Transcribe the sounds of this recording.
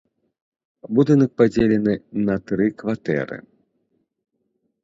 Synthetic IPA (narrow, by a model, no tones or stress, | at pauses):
bud̪ɨnɐk̚pad͡zʲelʲɛnɨnɐt̪ɾɨkvat̪ɛ̰ɾɨ̰